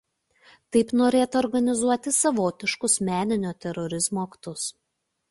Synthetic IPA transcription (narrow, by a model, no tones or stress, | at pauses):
t̪ɐɪpnoːɾʲeːt̪ɐɔːɾɡɐnʲɪzuɔt̪ʲɪsɐʋoːt̪ʲɪʃkʊsmʲæːnʲɪnʲoːt̪ʲɛɾɔɾʲɪzmoːkt̪ʊs